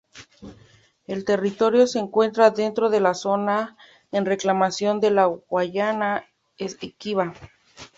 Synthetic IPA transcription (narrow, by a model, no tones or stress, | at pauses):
e̞lt̪e̞rit̪o̞ɾjo̞se̞ːŋkwe̞nt̪ɾaðe̞nt̪ɾo̞ðe̞laso̞na | enre̞klamasjo̞nd̪e̞laɣwaʝana | esekiβa